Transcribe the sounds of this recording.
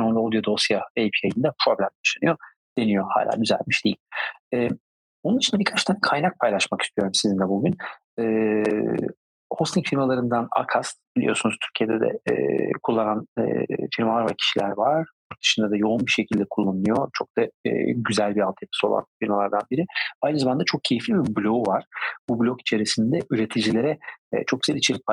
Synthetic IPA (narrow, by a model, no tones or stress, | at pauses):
ond̪aod̪jod̪osjaejpʰiajind̪apʰɾo̞blʲæmd̪aʃanɯ̰jo | d̪̥e̞nijo̞ha̰ːlʲʔa̰ːɟyzæ̰lʲmiʃd̪ejilʲɛː | o̞nunit͡ʃind̪abiɾkʰat͡ʃt̪ʰaːnkʰajnak̚pʰajlˠaʃmaki̥st̪ʰyjo̞ɾumsizind̪ɛbuɟyn | ɛː | host̪ʰiŋfilʲmalˠaɾɯnd̪ana̰kʰast̪bilʲḭjo̞sunuz̥t̪ʰyɾcʰijed̪ɛd̪ɛ̰ɛ̰kʰulˠːananɯ̰filmalˠaɾvaɾcʰi̥ʃilʲæɾvaɾ | ud̪ɯ̥ʃɯnd̪ad̪ajo̞unbiʃe̞cʰilʲd̪ɛkʰulˠːanujo̞t͡ʃʰo̞k̚d̪a̰ːɟyzælʲbialt̪ʰɯjepʰɯ̥so̞̰lˠa̰nfilmalˠaɾd̪anbiɾɪajnɯzamand̪at͡ʃʰo̞k̚cʰe̞jiflʲibiblʲo̞uvaɾ̥bublʲo̞ki̥t͡ʃʰeɾisind̪ɛʔyɾe̞t̪ʰid͡ʒilʲe̞ɾɛ̰t͡ʃʰo̞k̚yzeilʲit͡ʃʰelʲic̚p